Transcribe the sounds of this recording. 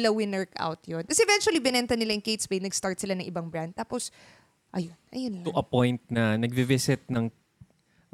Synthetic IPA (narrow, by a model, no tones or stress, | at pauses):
lɐwɪnɛɹkʔa̰wt̪jonkɐsɛʔɛvɛnt͡ʃuɐlibɪnɛnt̪ɐnɪlaʔɐŋkejt̪sbejnɐɡst̪aɹt̪sɪlanɐŋʔɪbaŋbɹand̪̚t̪aːpo̞s | ʔɐjonʔɐ̰jonlʊʔɐpojnt̪̚nɐnɐɡ̚bɪvɪsɪt̪̚nɐŋ